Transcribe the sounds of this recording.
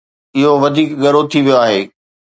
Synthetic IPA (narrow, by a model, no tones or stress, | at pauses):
ɪɦoʋɐd̪ʱiːkɡɐɾot̪ʰiʋijoaːɦeː